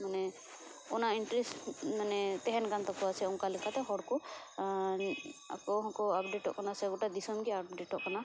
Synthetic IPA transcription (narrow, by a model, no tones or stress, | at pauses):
manɛ | ɔnainʈɾismanɛt̪ɛɦɛnkant̪ɔkɔat͡ʃʰɛuŋkalɛkʰat̪ɛɦɔɽku | a̰kɔɦɔ̃kɔapɖeʈɔʔkɔnasɛɡɔʈad̪isɔmkiapɖeʈɔʔkɔna